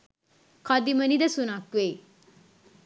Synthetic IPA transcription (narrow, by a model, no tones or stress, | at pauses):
kʰad̪imənid̪ɐsunakwe